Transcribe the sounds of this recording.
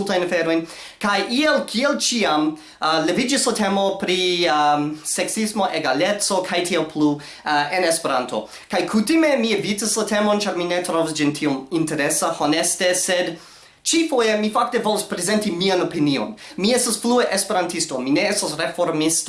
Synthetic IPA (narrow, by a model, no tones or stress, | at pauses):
ltajnafeɾo̞jn | kajʔielkʰielt͡ʃiam | le̞vid͡ʒislatemo̞pɾi | seksismo̞ʔeɡale̞t͡so̞kʰajtʰialpʰlu | enespeɾanto̞̰ | kajkʰutime̞mievitaslate̞mo̞nt͡ʃaɾminetɾovasd͡ʒintʰiominte̞ɾesaho̞neste̞sed | t͡ʃifo̞jemifak̚te̞vo̞lospɾeze̞ntimianopinio̞̰nmiestasflueʔespe̞ɾantistomineestasɾefo̞ɾmist